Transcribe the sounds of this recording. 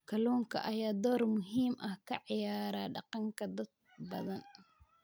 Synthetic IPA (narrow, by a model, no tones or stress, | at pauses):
kʰɐlɔːŋkʰɐ̰ʔɐjaːd̪ɔːrmʊɦiːmʔɐhkʰɐʕɪjaːɾaːɖɑqɑŋkʰɐd̪ɐd̪̚ | bɐ̰ðɐn